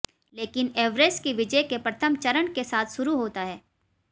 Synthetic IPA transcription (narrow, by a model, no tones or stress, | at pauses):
leːkɪneːʋɾeːskiʋɪd͡ʒəjkepɾɐt̪ʰəmt͡ʃɐɾəɳkesaːt̪ʰʃʊɾuɦoːt̪aɦɛː